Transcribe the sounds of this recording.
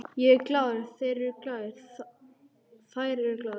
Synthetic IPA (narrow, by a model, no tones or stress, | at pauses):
jɛɛɾklaːwðɪɾθeɾɛɾklaːðɪɾ | θaːjɾɛɾɛɾklaːð